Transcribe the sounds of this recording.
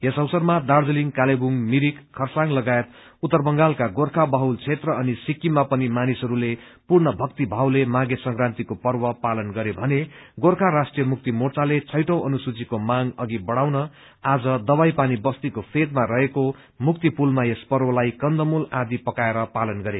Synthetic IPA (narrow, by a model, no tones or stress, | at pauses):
esʌwsʌrmad̪ard͡zʌliŋkalebuŋmiɾikʰːʌrsaŋlʌɡaet̪ | ut̪ːʌrbʌŋɡalkaɡorkʰabʌɦult͡sʰet̪rʌʌnisikːimapʌnimanisʌɾule | purnʌbʱʌkt̪ibʱawlemaɡesʌŋkrant̪ikopʌrbʌpalʌnɡʌɾebʱʌneɡorkʰaɾasʈrijʌmuk̚t̪imort͡salet͡sʰʌjʈʌwʌnusut͡sikomaŋʌɡibʌɽawnʌ | ad͡zʌd̪ʌbajpanibʌst̪ikopʰed̪maɾʌɦeko | muk̚t̪ipulmaespʌrwʌlajkʌnd̪ʌmulad̪ipʌkaeɾʌpalʌnɡʌɾe